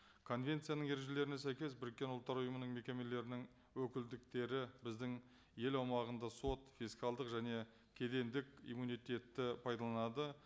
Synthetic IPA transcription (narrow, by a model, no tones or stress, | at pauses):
kʰo̞nvʲe̞nt̪sɨjanəɴe̞ɾe̞ʒe̞le̞ɾɪne̞s̬æjkʲe̞sbɪɾɪkʲːe̞nʊlˠt̪ːɑɾʊjəmənəɴme̞kʲe̞me̞le̞ɾɪnɪŋ | wɵkʲɪld̪ɪk̚t̪e̞ɾɪbɪzd̪ɪŋ | je̞lɑwmɑʁənd̪ɑso̞t̪fʲijskalˠd̪əqʒæne̞ | kʲʰe̞d̪e̞nd̪ɪkʲḭjmunijt̪e̞t̪ːɪpʰɑjd̪ɑlˠɑnɑd̪ə